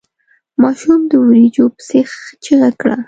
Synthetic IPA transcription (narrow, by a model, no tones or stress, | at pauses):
mɑʃumd̪əwəɾid͡ʒopə̥sext͡ʃiɣakɽa̰